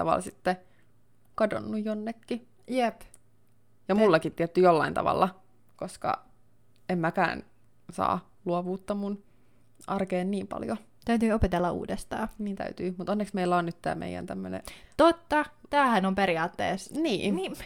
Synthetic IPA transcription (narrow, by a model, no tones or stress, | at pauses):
t̪ɑ̰ʋɑ̰lsit̪ːe | kɑdo̰nːujjonːekːi | jep | jɑmulːɑkit̪tiɛt̪ːyjolːɑint̪ɑ̰ʋɑ̰lːɑ | koskɑ̰ | emmækæ̰ːn | sɑ̰ː | luoʋuːt̪ːɑmun | ʔɑrkeːnniːmpɑ̰ljo | t̪æyt̪yːopet̪elːɑʔṵːdest̪ɑːniːnt̪æ̰yt̪yːmut̪onːeksmeilːæonnyt̪t̪æ̰ːmḛijæ̰nt̪æmːønḛt̪ot̪ːɑt̪æːhænompeɾiɑːt̪ːḛːsniː